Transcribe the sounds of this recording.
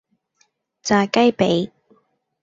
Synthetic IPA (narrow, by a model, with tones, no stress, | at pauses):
t͡saː˧kɐ˥jpe˨˥j